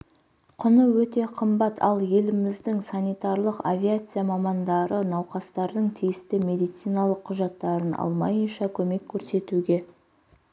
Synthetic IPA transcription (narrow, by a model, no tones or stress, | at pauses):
qʰʊnəwɵt̪e̞qʰəmbɑt̪ʰɑ̰lˠje̞lɪmɪzd̪ɪŋsanijt̪ɑɾlˠəqavʲiat̪sɨjamɑmɑnd̪ɑɾənɑwqɑst̪ɑɾd̪əɴt̪ʰijɪst̪ɪme̞d̪ijt̪sijnɑlˠəqʰːʊʒɑt̪ːɑɾənɑ̰lˠmɑ̰jənʃɑkʲʰɵme̞kʲʰːɵɾse̞t̪uɡʲe̞